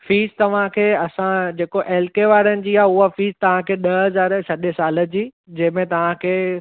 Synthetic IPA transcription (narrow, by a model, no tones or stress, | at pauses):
fiːzt̪ɐʋ̤ãkʰeːɐsãd͡ʑeːkoʔɛːlkeʋaːɾənɪ̆d͡ʑiːaːɦʊɦafiːzt̪ɐʋ̤ãkʰeːɗɐɦɐzaːɾsɐɗəsaːlə̆d͡ʑiː | d͡ʑɐ̃ɦɪ̃mẽt̪ɐʋ̤ãkʰeː